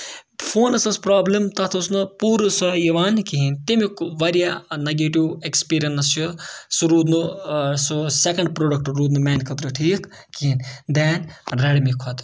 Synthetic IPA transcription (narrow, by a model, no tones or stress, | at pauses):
fʰoːnɐsɐspɾaːblɐmt̪ɐt̪ʰusnɨpuːɾɨsɐjiʋaːnkiɦint̪imikʋɐɾijanɐɡeːʈiwekspiːɾʲijɐnɐst͡ʃusuɾuːd̪nususekɐɳɖ̚pɾoːɖɐk̚ʈɾuːd̪numɛːnkɐt̪ɾuʈʰiːk | kiind̪ɛːnɾeɽmikʰɔt̪